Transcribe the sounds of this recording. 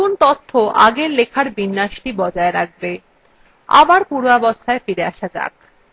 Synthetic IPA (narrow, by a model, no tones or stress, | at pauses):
unt̪ot̪ʰːoʔaɡeɾlekʰaɾbinːaʃʈibɔd͡ʑaeɾak̚be | a̰baɾpuɾabost̪ʰaefiɾea̰ʃad͡ʑa̰k̚